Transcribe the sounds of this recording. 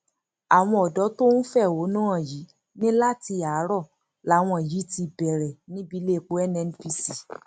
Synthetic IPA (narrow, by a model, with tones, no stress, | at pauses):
a˨w̃ɔ̃˧ɔ˨dɔ˨˦to˦ñ̩˦fɛ˦˨wo˨˦nãː˦ã˦˨ji˨˦ | nĩ˦la˦ti˧a˨˦ɾɔ˦˨ | la˨˦w̃ɔ̃˧˨ji˨˦ti˧bɛ˨ɾɛ˨nĩ˦bi˧˦le˦˨k͡po˨˦ɛ˦nɛ˧n˦pi˧si˨